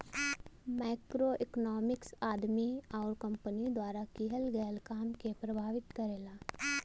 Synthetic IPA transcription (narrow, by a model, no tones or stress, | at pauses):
maːkɾoʔɪknɔːmɪksaːd̪miɔːɾkə̃mpənid̪waːɾakiɦəlɡɛːlkaːmkepɾəbʱaːʋɪt̪kəɾeːlaː